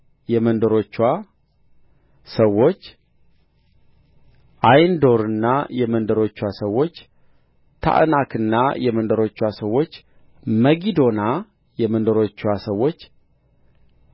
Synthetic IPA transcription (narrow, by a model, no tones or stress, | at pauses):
jɛmənd̪əɾo̞t͡ʃːwa | səwːo̞t͡ʃː | ʔajnd̪o̞ɾɨnːajɛmənd̪əɾo̞t͡ʃːwasəwo̞t͡ʃː | t̪ʰa̰ʔnakʰɨnːajɛmənd̪əɾo̞t͡ʃːwasəwːo̞t͡ʃː | məɡid̪o̞na | jɛmənd̪əɾo̞t͡ʃːwasəwːo̞t͡ʃː